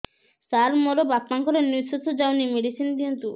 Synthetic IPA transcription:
saɾmoɾobapnaŋkɔɾenisut̪ʰːod͡ʑawnimeɖisʰinkint̪u

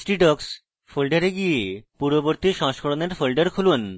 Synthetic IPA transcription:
sʈiʈɔks | folɖaɾeɡijepuɾoboɾt̪iʃɔ̃ŋʃkʰoɾoneɾfolɖaɾkʰulun

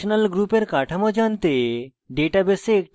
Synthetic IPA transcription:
onalɡɾupeɾkaʈʰamod͡ʑant̪e | ɖeʈabeseːk̚

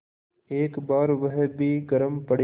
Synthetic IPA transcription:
eːkbaːɾʋɐɦbʱiːɡəɾəmpɐɽ

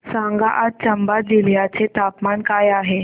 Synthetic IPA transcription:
saŋɡaʔat̪̚t͡ɕəmbad͡ziljat͡set̪apmankajaɦe

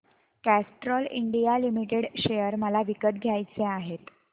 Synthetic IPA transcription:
kæsʈɾɔlḭɳɖijalimiʈeɽɕejəɾməlaʋikət̪̚ɡʱjajt͡seaɦet̪

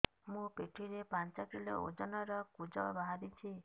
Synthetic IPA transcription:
mũpeʈʰiɾepant͡ʃɔkilo̰o̰d͡ʒɔnɔɾɔkud͡ʒɔ̰baɦad̪it͡ʃʰi

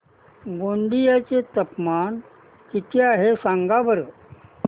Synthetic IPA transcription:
ɡoɳɖijat͡set̪əpman | kit̪ʰeaɦesaŋɡaʋəɾə

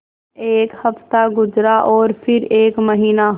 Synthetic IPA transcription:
eːkhɐft̪aɡʊd͡ʒɾaʔɔːɾpʰɪɾeːkməɦiːnaɦ

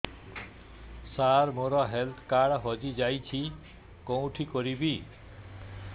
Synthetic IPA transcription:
sarmoɾʌɦelt̪ʰkaɽɦʌd͡zid͡zajt͡sʰi | kʌwʈʰikʌɾibi

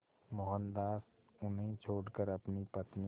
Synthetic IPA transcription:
moɦənd̪aːs | ʊnɦẽt͡ʃʰoːɽkəɾɐpnipət̪ni

